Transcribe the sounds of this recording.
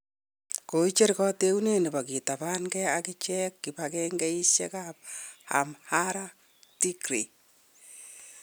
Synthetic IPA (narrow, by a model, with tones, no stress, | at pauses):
ko˨i˦t͡ʃe˦ɾkɔ˦te˦u˦ne˦ni˨ba˨ki˨ta˨ba˦nɡɛakɪ˦t͡ʃɛkːɪ˨bakɛŋɡɛ˦i˦ʃjɛ̰˦kap̚ha̰˨mhaɾa | ti˦kɾe˨